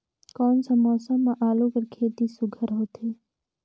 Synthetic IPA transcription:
kɔːnsãmɔːsəmːãʔaːloːkəɾkʰeːt̪isʊɡʱəɾɦoːt̪eː

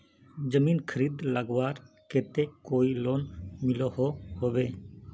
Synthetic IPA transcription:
d͡ʒəminkʰəɾid̪laɡwaɾ | ket̪ekoilonmilɔhohobe

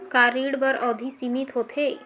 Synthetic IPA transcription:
kaːɾiːɽbəɾɔːd̪ʱisimit̪ɦoːt̪ʰe

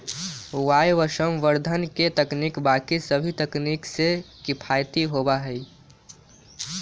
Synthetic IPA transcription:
ʋaːjʋəʃəmʋəɾd̪ʱənket̪əknikbaːkisəbʱit̪əkniksekɪpʰajt̪iɦobaɦɛi

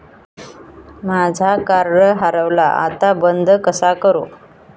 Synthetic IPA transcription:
mad͡zʱakaɾɳəɦaɾəʋla̰ʔa̰t̪abənd̪ʱkəsakəɾo

